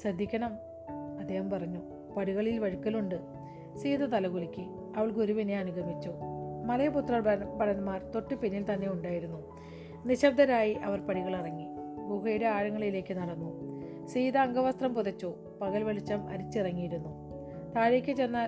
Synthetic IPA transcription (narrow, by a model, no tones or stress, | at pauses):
sɐd̪ʱːikʲːɐnɐm | ɐd̪ʱːeːhɐmpɐrɐɲːu | pɐɽiɣɐɭilʋɐɻikːɐluɳɖɨ | siːd̪ɐt̪ɐlɐɣuɭikʲːɨ | ɐʋɐɭɡoɾuʋineɐnuɡɐmit͡ɕːoːmɐlɐjɐput̪rɐbɐɽɐnmaːrt̪o̞ʈːɨpinːilt̪ɐnːe̞uɳɖaːjiɾunːu | niɕɐb̚d̪ɐɾaːjiʔɐʋɐrpɐɽiɣɐɭirɐŋːiɡukɐjuɽe̞aːɻɐŋːɐɭile̞ːkʲːɨnɐɽɐnːu | siːd̪ɐːŋɡɐʋɐst̪rɐmpuðɐt͡ɕːoː | pɐɣɐlʋɐɭit͡ɕːɐmɐ̰ɾit͡ɕːirɐŋːijiɾunːu | t̪aːɾeːkʲːɨt͡ɕe̞nːaːl